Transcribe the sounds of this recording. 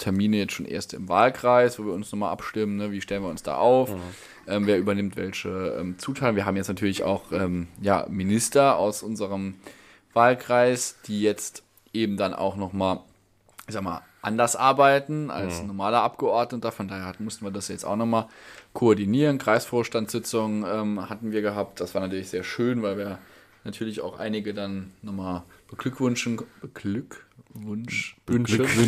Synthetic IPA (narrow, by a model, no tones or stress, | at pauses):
tʰɛɐmiːnəjɛt͡stʃoːnʔḛːɐstɪmva̰ːlkʁ̥aɪsv̥oːviːɐʊnsnɔχmalʔa̰pʃtɪmənnəviːʃtɛlənviːɐʊnsd̥a̰ːʔaʊf | ʔɛːmveːɐʔyːbɐnɪmtvɛ̰lçəʔɛ̰ːmt͡suːtʰaːtn̩viːɐɦaːm̩jɛt͡stnatʰyːɐlɪça̰ʊxʔɛ̰ːmja̰ːmɪnɪstɐa̰ʊsʔʊnzəʁəm | v̥aːlkʁ̥aɪsd̥iːjɛt͡st | ʔeːbm̩danʔa̰ʊxnɔχmaːl | z̥aːɡma̰ːl | ʔa̰ndɐsʔaɐbaɪtn̩a̰lsnɔɐmaːlɐʔapɡ̥əʔɔɐdnətɐfɔndaːheɐhatn̩mʊstn̩viːɐdasjajɛt͡staʊxnɔχmaːlkʰoɔɐdiniːʁənkʁ̥aɪsfoːɐʃtantsz̥ɪt͡sʊŋʔɛːmhatn̩viːɐɡəɦaːp̚t̚d̥asv̥aːɐnatʰyɐlɪçz̥eːɐʃøːnvaɪlviːɐ | natʰyːɐlɪça̰ʊxʔa̰ɪnɪɡədannɔχmaːlb̥əɡlʏkv̥ʏnʃn̩bəlkvn